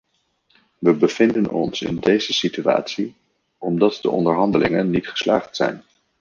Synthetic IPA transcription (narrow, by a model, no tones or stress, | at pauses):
ʋəbəv̥ɪndənɔ̰nsɪ̰ndejzəsitya̰ːtsi | ɔmdɑtdə̰ʔɔndəɹɦɑndəlɪŋənːitχə̥sla̰ːχtsɛ̰jn